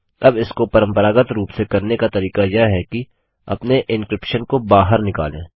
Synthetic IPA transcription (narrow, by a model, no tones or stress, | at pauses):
ɐbɪskopɐɾə̃mpəɾaːɡət̪ɾuːpsekɐɾnekat̪ɐɾiːkajɐɦɛki | ɐ̰pneʔɪnkɾɪpʃənkobaːɦəɾnɪka̰ːlḛ̃ː